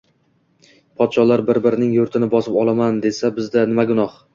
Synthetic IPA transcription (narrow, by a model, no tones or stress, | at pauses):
pʰɒt̪ʃɒlaɾbɪɾbɪɾɪnɪŋjʊɾt̪ʰɪnɪbɒsɪpɒlˠamand̪e̞sabɪzd̪anɪmaɡʊnɒh